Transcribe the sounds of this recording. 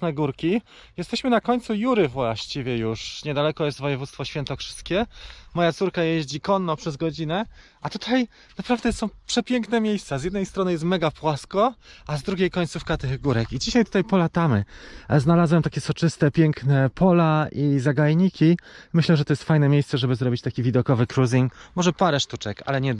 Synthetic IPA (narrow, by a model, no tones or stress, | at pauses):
nɛɡuɾkʲi | jɛst̪ɛɕmɘnakɔɲt̪sujuɾɘvwaɕt͡ɕivʲɛjuʂɲɛd̪alɛkɔjɛst̪vɔjɛvut̪st̪fɔɕfʲjɛnt̪ɔkʂɘ̥st̪kʲɛmɔjat̪suɾkajeʑd͡ʑikɔnːɔpʂɛzɡɔd͡ʑinɛ | ʔat̪ut̪ʰaj | napɾavd̪ɛsɔ̃w̃pʂɛpʲjɛŋknɛmʲjejst̪sazjɛd̪nɛjst̪ɾɔnɘjɛst̪mɛɡapwaskɔʔazd̪ɾuɡʲejkɔɲʲt̪sufkat̪ɘɣɡuɾɛkid͡ʑiɕajt̪ut̪ajpɔlat̪amɘznalazwɛmt̪akʲɛsɔt͡ʂɘst̪ɛpʲjɛŋknɛpʰɔlaʔizaɡajɲikʲimɘɕlɛʐɛt̪ɔjɛst̪fajnɛmʲjejssɛʐɛbɘzɾɔbʲit͡ɕt̪akʲivʲid̪ɔkɔvɘkɾuzʲiŋmɔʐɛpaɾɛʂt̪ut͡ʂɛka̰lɛɲɛ